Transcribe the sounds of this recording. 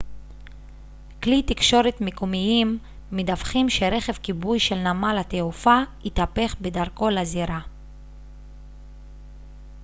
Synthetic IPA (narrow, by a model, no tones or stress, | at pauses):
klit̪ikʃo̞ɾetmikumiimː | edavχimʃe̞ɾe̞χe̞vkibujʃe̞lnamalhat̪eufait̪ape̞χbe̞daʁko̞laziɾa